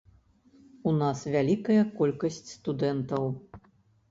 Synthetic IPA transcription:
unasvʲalʲikɐjɐkɔlʲkɐsʲt͡sʲst̪ud̪ɛnt̪ɐw

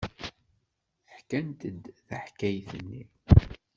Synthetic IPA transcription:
θəħkænt̪əd̪θəħkæjθənːi

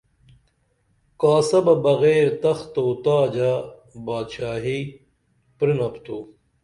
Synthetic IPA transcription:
kaːsɐbɐbɐɣeːɾt̪ɐxt̪oːt̪aːd͡ʑabaːd̪ɕaːɦi | pɾinɐpt̪uː

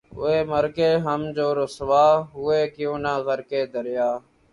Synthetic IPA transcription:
ʊ̰eːməɾkeːɦəmd͡ʒoːɾʊsʋaːɦʊːeːkɪjõːnaːɣəɾkeːd̪əɾɪjaː

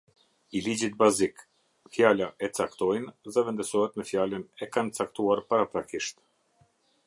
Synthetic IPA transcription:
ilid͡ʑit̪̚bazik | fjalaʔɛt͡sakt̪ɔjnðɛvɛnd̪əsɔhɛt̪mɛfjalənɛkant͡sakt̪uaɾpaɾapɾakiʃt̪

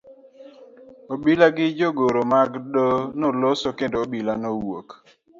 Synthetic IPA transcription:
obilaɡɪd͡ʒoɡoɾomaɡdonolosokendoobilanowo̰k

